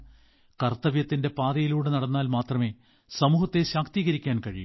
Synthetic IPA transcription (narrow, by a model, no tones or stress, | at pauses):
kɐrt̪ːɐʋjɐt̪ːinde̞paːðɐjiluːɽenɐɽɐnːaːlmaːt̪rɐme̞ː | sɐmuːhɐt̪ːe̞ɕaːkt̪iːɣɐɾikʲːaːnkɐɻḭjṵ